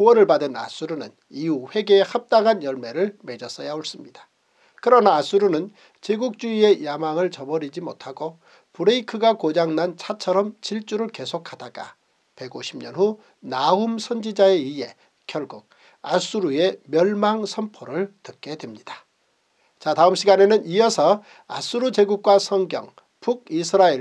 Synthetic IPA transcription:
uwʌnɯɭbadɯna̰s͈uɾunɯ̰n | iuɸwe̞ɡe̞ːhap̚t͈aŋɦanjʌɭme̞ɾɯɭme̞d͡ʑʌs͈ʌjaoɭs͈ɯmɲidḁ | kɯɾʌnaːs͈uɾunɯn | t͡ɕeɡuk̚t͡ɕ͈uie̞jamaŋɯɭt͡ɕʌbʌɾid͡ʑimotʰaɡo | puɾeikʰɯɡakod͡ʑaŋnant͡ɕʰat͡ɕʰʌɾʌmt͡ɕiɭt͡ɕ͈uɾɯɭke̞sʰokʰhad̥aɡa̰ | pe̞ɡoɕʰimɲʌnɦu | naumsʰʌnd͡ʑid͡ʑae̞iɦe̞ | kʰjʌɭɡuk̚ | as͈uɾue̞mjʌɭmaŋsʰʌmpʰoɾɯɭtɯk͈e̞dwe̞mɲid̥ḁ | t͡ɕataɯmɕʰiɡane̞nɯnijʌsʰʌ | a̰s͈uɾut͡ɕe̞ɡuk̚k͈wasʰʌŋɡjʌ̰ŋ | puɡ̚isʰɯɾae

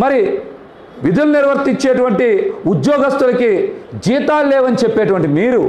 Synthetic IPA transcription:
mɐɾi | ʋid̪uluniɾʋɐɾt̪iɲt͡ʃːeːʈ̬uʋɐɳʈiud̪jɔːɡɐst̪ulɐkid͡ʒiːt̪aːlːeːʋɐnit͡ʃepːeːʈuʋɐɳʈimiːɾu

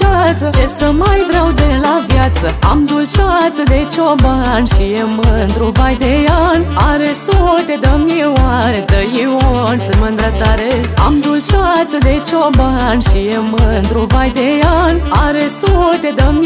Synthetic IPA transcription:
at͡sd͡ʑesəmajd̪ɾawd̪elaʋjat͡səamd̪ult͡ɕat͡səd̪et͡ɕʰɔbaanɕijemənd̪ɾobad̪ejanaɾesot̪ed̪əmjeʋaɾet̪əjiɔnsəmənd̪ɾat̪aɾea̰md̪ulɕat͡səd̪et͡ɕʰɔbanɕieməd̪ɾobajd̪ejanaɾesot̪ed̪əm

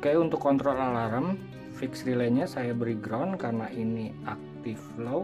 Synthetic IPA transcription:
kajunt̪ʊkːɔnt̪ɾɔlːalaɾəm | fiksɾilɛɲasajabəɾiɡɾawnkarnaʔiniʔak̚t̪ɪflo

